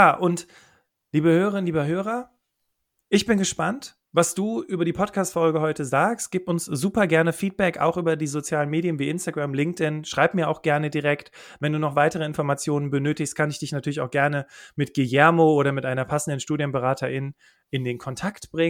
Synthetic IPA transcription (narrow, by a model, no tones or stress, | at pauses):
jaːʔʊnt | liːbəhøːʁəʁɪnliːbəɦøːʁ̞ɐ | ʔɪçb̥ɪnɡəʃpant | vasd̥uːʔyːbɐɾiːpʰɔtkʰaːstfɔlɡəhɔʏtəzaːkst̚ɡ̥iːpʊnszuːpɐɡɛɐnəfiːt̚b̥ɛka̰ʊxʔyːbɐdiːzot͡sjaːlənmeːdjənviːʔɪnstaɡʁamlɪŋk̚tɪnʃʁ̥aɪpmiːɐaʊxɡ̥ɛɐnədiʁɛktvɛnduːnɔχv̥aɪtəʁ̞əɪnfɔɐmat͡sjoːnənbənøːtɪçst̚kʰanɪçd̥ɪçnatʰyɐlɪçaʊxɡ̥ɛɐnəmɪtɡ̥ejɛɐmooːɾɐmɪtʔaɪnɐpʰasn̩dənʃtuːdjənbəʁaːtʰɐʔɪn | ʔɪndeːnkʰɔntʰaktb̥ʁɪŋ